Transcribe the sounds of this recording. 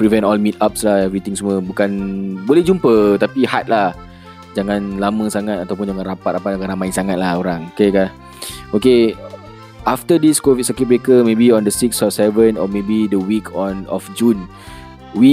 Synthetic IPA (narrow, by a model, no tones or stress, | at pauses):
pɾivɛ̃ntɔlmit̪̚ap̚slahɛvɾit̪iŋsumə̃bukanbolɛhd͡ʒumpət̪apihat̪̚lah | d͡ʒaŋãnlamə̃saŋat̪̚at̪awp̬ʊnd͡ʒaŋãnrapat̪̚rapat̪̚kaɾaŋmaɪnsaŋat̪̚lahoɾaŋokeka | oke | ʔaft̪ədiskovit̪̚sakit̪̚wekəmẽbiɔ̃ndəsiksɔpsɛvə̃nɔ̰mebidəwikʰɔnɔ̰fd͡ʒun | wi